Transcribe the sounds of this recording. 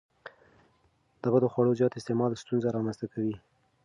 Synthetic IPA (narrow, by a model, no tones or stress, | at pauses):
d̪̥abad̪əxwaɽozjɑt̪ɪst̪emɑlst̪unzaɾɑmanzt̪akawi